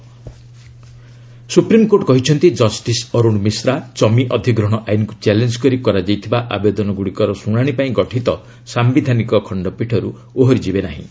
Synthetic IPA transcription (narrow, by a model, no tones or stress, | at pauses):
supɾimkoɾʈkɔɦit͡ʃʰɔnt̪id͡ʒɔsʈisɔɾuɽ̃misɾat͡ʃɔmiʔɔd̪ʱiɡɾɔɽ̃ɔʔajnɔkut͡ʃelend͡ʒkɔɾikɔɾad͡ʒajt̪ʰibaʔabed̪ɔnɔɡuɽikɔɾɔsuɽ̃aɽ̃ipaĩɡɔʈʰit̪ɔ | sambid̪ʱanikɔkʰɔɳɖɔpiʈʰɔɾu | oɦɔɾid͡ʒibenaɦḭ̃